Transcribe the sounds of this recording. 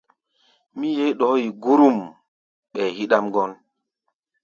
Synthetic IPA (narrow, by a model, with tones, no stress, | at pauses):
mi˦je˦ɗɔ˨˦ji˨ɡu˦ɾu˦˨m | ɓɛ˨hi˦ɗa˦mɡɔ˦n